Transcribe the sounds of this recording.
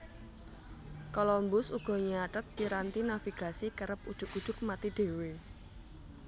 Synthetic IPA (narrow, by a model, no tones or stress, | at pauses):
kolɔmbʊsuɡ̥ɔ̤ɲəaʈət̪̚piɾant̪inafiɡ̥a̤sikəɾəp̚ud̥ʒ̥ʊ̤kud̥ʒ̥ʊk̚mat̪iɖ̥e̤we